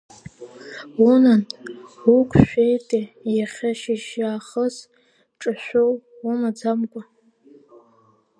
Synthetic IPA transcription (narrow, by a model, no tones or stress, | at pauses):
unanukʷʰʼʃʷᶣejtʼejaχʲaʃiʃaːχəz | ʈ͡ʂʼɨʃʷow | umad͡zamkʷʼa